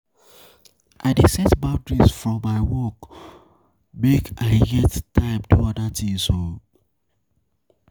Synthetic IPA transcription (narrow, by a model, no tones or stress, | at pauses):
ʔaɪdesɛtbaʊdɹisfɹɔ̃mːaɪwɔk | bekaɪɡɛttaɪptuɔdatʰĩso